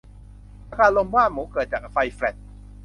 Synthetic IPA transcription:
a˧kʰaː˧lo˧mwaː˥˩nmuː˩˦kɤː˨˩t̪̚t͡ɕaː˨˩k̚fa˧jflɛ˨˩t̪̚

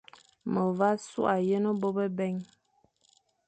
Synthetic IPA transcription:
mə˨va˦sṵ˦ʔa˨jə˦nə˦bo˦bə˦bɛ˦ŋ

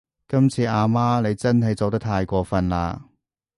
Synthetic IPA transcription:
kɐ˥mt͡sʰiː˧ʔaː˧maː˥ne˨˧jt͡sɐ˥nɦɐ˨jt͡so˨wt̪ɐ˥k̚t̪ʰaː˧jkʷɔː˧fɐ˧nla̰ː˧

